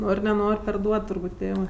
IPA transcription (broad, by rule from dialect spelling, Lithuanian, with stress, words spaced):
ˈnoːrʲ nʲɛˈnoːrʲ pʲɛrˈduɔt tʊrˈbuːtʲ ˈtʲeːʋɜ